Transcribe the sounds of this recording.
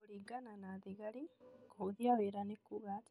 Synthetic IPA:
ɽiɡananaːd̪iɡɐɽinɡoːd̪ijaʋeɾanekːuɡaːt̪

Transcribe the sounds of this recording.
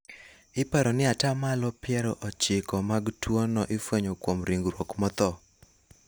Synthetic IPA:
ɪpaɾɔnɪatamalɔpɪjɛɾɔʔɔt͡ʃɪkɔmaɡtwonɔʔɪfweɲokwomɾiŋɡɾwokmɔt̪ɔ

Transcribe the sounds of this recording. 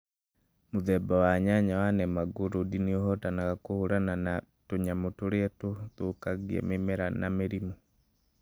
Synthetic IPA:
moðɛbawaɲaɲawanɛmaɡoɾodiniɔhɔtanaɣakohoɾananatoɲamotoɾeɛtotokaɡiɛ̰memeɾanameɾimɔ

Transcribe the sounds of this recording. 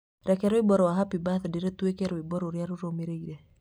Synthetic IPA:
ɾʔɛkɛɾɔibɔɾɔaɦapibaθdeɾɛt̪uekɛɾɔibɔɾoɾjaɾuɾomeɾeiɾe

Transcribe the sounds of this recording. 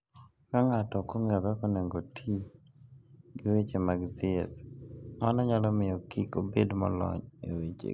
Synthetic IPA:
kaŋatɔkoŋɛɾɛkɔneŋɡotʰi | ɡɪwet͡ʃemaɡzɪɛ̰smanɔɲalɔmɪjɔkikobedmɔ̰lɔ̰ɲewet͡ʃḛ

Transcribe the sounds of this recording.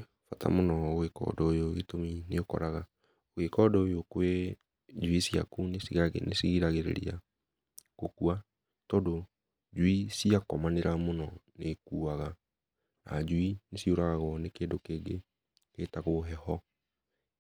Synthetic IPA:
fata̰monɔɣekɔ̰dɔojoɣetomineokɔ̰ɾaɣa | oɣekɔdɔojokwe | d͡ʒwisia̰kunesiɣaɣenesiɣiɾaɣeɾḛɾḭa | kokua | tɔdo | d͡ʒuisiakɔmaneɾamonɔnekuːaɣa | ad͡ʒuinesioɾaɣaɣɔnekeːdokeːɡe | ɣetaɣoɦɛhɔ

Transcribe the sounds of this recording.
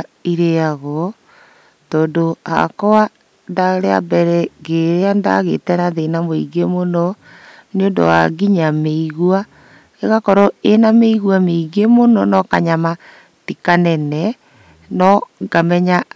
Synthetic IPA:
iɾeaɣɔ | tɔːndoa̰kɔa | ndaɾea̰bɛɾɛɡeɾeanda̰ɣetɛnaðenamoiɣemonɔ | neondo̰wa̰ɡiɲameiɣwa | eɣakɔɾɔenameiɣwameiɣemonɔnɔkaɲama | tikanɛnɛ | nɔŋɡamɛɲa

